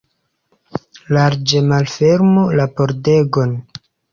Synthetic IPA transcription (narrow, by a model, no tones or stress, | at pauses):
laɾd͡ʒe̞malfe̞ɾmulapo̞ɾde̞ɡo̞n